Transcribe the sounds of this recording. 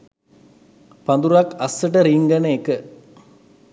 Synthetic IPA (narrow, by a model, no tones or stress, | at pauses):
pɐnd̪uɾakɐsːəʈɐɾiŋɡɐnekə